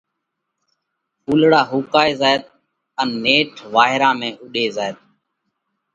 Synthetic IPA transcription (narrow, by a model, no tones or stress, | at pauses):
fuːlɽaːɦuːkaːeːzaːɪt̪ | ənːeːʈʰʋaːɦɪɾãːmẽːʔʊɗeːzaːjet̪̚